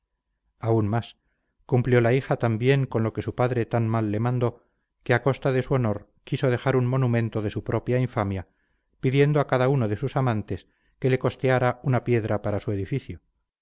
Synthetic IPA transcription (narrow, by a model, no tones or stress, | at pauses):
aunmas | kumpljo̞laixat̪ambje̞ŋko̞nlo̞ke̞supaðɾe̞t̪anmalːemãnd̪o̞ | ke̞ako̞st̪aðe̞suo̞no̞ɾ | kiso̞ðe̞xaɾuŋmo̞numẽ̞nt̪o̞ð̞e̞supɾo̞pjaiɱfamja | piðje̞nd̪oakaðauno̞ðe̞susamãnt̪e̞s | ke̞le̞ko̞st̪eaɾaunapje̞ðɾapaɾasue̞ðifiθjo